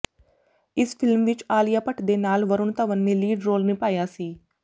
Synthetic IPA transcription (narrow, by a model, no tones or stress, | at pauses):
ɪspʰɪlmʋɪt͡ʃaːlɪjaːpəʈʰd̪eːnaːlʋəɾʊnt̪aːʋənːeːliːɖɾoːlnĩːpaːjaːsiː